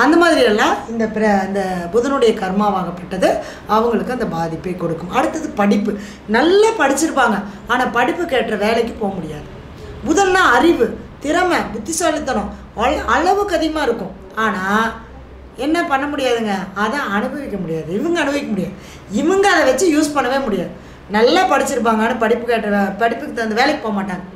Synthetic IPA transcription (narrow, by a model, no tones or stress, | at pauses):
ɐnd̪ɐmaːðɪɾɪjɛlːãːɪnd̪ɐpɪɾɐɪnd̪ɐpɔðɯnɯɽɐjɐkɐɾmaːʋaːŋɡɐpːɐʈːɐðɯ | ɐʋɐŋɡɐɭɯkːɯɐnd̪ɐbaːðɪpːɐɪkːɔɽɯkːɯmɐɽɯt̪ːɐðɯpɐɽɪpːɯ | nɐlːɐpɐɽɪt͡ʃːɪɾɯpːaːŋɡɐaːnaːpɐɽɪpːɯkeːʈrɐʋeːɭɛk̬ːɯpoːɐmʊɽɪjaːðɯ | ʊðɐlnãːɐɾɪʋɯt̪ɪɾɐmɐʋʊt̪ːɪsaːlɪt̪ːɐnʊ̃ | ɐɐɻɐʋɯkːɐðɪɣɐmaːɪɾɯkːʊ̃ | aːnaː | ɛnːɐpɐɳːɐmʊɽɪjaːðɯŋɡɐːðãːɐɳɯbɐʋɪkːɐmʊɽɪjaːðɯɪʋɐŋɡɐɐɳɯbɐʋɪkːɐmʊɽɪjaːðɯ | ɪʋɐŋɡɐːðɐʋɐt͡ʃːɯjuːspɐɳːɐʋeːmʊɽɪjaːðɯ | nɐlːɐpɐɽɪt͡ʃːɪɾɯp̬ːaːŋɡaːnɐpɐɽɪpːɯkeːʈrɐpɐɽɪpːɯkːɯt̪ːɐɾɐnd̪ɯʋeːɭɛkːɯ̥pːoːɐmaːʈːaːŋɡɐ